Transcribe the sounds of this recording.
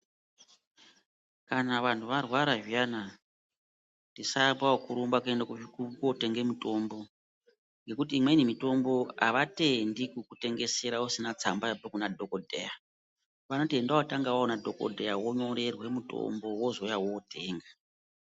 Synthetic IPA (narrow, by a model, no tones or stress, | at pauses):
kanaʋantʰuʋarwaɾaʒijana | ndisapaokuɾumbakuendakukukote̞ŋɡemuto̞mbo̞ | ŋɡe̞kutiːmwe̞nimito̞mbo̞aʋate̞ndikukute̞ŋɡe̞se̞ɾausinat͡sambajapekunadʱokodʱḛja | ʋanotiendawotaŋɡawaonadʱo̞ko̰dʱejawoɲo̞ɾe̞rwe̞muto̰mbo̞wo̞zojawoːtʰe̞ːŋɡa